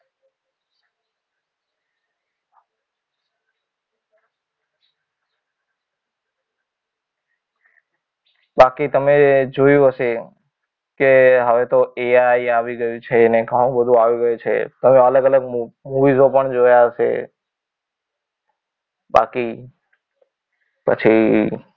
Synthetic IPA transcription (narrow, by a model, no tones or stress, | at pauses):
bakit̪əmed͡ʒojũɦəʃe | keɦəʋet̪oeaiaʋiɡəjũt͡ʃʰenekəũbəd̪ʱũaʋiɡəjot͡ʃʰḛt̪əmeələɡələɡ̚muʋizopəɳd͡ʒojaəʃḛ | ba̰ki | pə̰t͡ʃʰi